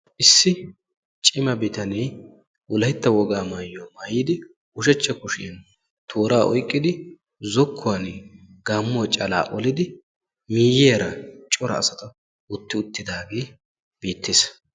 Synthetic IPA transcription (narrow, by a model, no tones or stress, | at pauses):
ʔɪsːɪ | t͡ʃʼɪmɐbɪt̪ɐneː | ʔʊlɐjt̪ːɐwɔɡaːmaːjːomaːjɪd̪ɪ | ʊʃɛt͡ʃːɛkʊʃɪɐn | t̪ʰoːɾaːʔɔ̰jkʼːɪd̪ɪ | zɔkʰːɔwɐn | ɡaːmːʊt͡ʃʼɐla̰ːʔɔlɪd̪ɪ | miːjeːɾɐt͡ʃʼɔɾɐ̰ːsɐt̪ɐ | ʊt̪ːɪʊt̪ːɪd̪aːɡeː | b̥iːt̪ːeːs